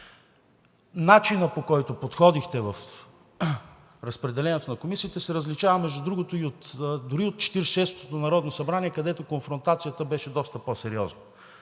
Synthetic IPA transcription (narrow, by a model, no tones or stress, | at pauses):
nat͡ʃinəpokɔjt̪opot̪xɔd̪ixt̪ɛvɐf | ɾɐspɾɛd̪ɛlɛnɛt̪onɐkomisiːt̪ɛsɛɾəzlit͡ʃavəmɛʒd̪ud̪ɾuɡot̪oiot̪d̪ʊɾiot̪̚t͡ʃɛ̥t̪iɾʃɛst̪o̥t̪onɐɾɔd̪nosɐbɾaniɛkɐd̪ɛt̪okonfɾont̪at̪sijət̪əbɛʃɛd̪ɔst̪əposɛɾiɔznə